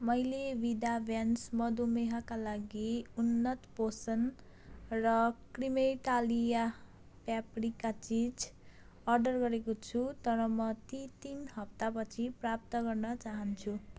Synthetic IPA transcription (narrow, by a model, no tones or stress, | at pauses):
mʌjlebid̪abjansmʌd̪umeɦakalaɡiunːʌt̪posʌn | rʌkrimeʈalija | pjaprikat͡sid͡z | ʌrɖʌrɡʌɾekot͡sʰut̪ʌɾʌmʌt̪it̪inɦʌp̚t̪apʌt͡sʰiprap̚t̪ʌɡʌrnʌt͡saɦʌnt͡sʰu